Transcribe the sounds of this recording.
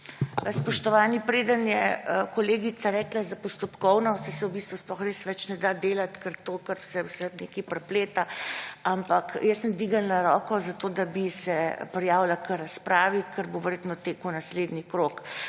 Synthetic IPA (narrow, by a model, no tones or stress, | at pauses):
spɔʃt̪ɔʋaːnipɾeːd̪ənjɛəkɔleːɡit̪saɾɛklazapɔst̪ɔpkɔwnɔsɛsɛwbist̪ʋusplɔxɾeːsʋɛt͡ʃnɛd̪ad̪eːlat̪kəɾt̪oːkəɾsɛwsɛnekipɾɛpleːt̪aampakjəsəmd̪ʋiɡannaɾɔkɔzat̪oːd̪abisɛpɾɛjaːwlakəɾaspɾaːʋikʰəɾboʋɛɾjet̪mɔt̪eːkəwnasled̪nikɾok